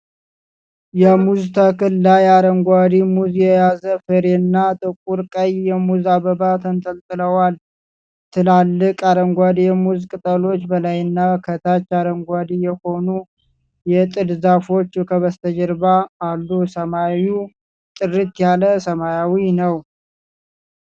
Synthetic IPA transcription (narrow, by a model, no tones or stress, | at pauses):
jɛmuzt̪ʰəkɨlːajaɾəŋɡʷad̪imuzjɛjazəfɨɾenːat̪ʼɨkʼuɾkʼəjːɛmuzaβəbat̪ʰənt̪ʰəlt̪ʼɨləwal | t̪ʰɨlalːɨkʼaɾəŋɡʷad̪ijɛmuzkʼɨt̪ʼəlo̞t͡ʃːbəlajɨnːakʰət̪ʰat͡ʃːaɾəŋɡʷad̪ijɛho̞nu | jɛt̪ʼɨlzafo̞t͡ʃːkʰəβəst̪ʰəd͡ʒɛɾbaːlːusəmawu | t̪ʼɨrit̪jaləsəmajawinəw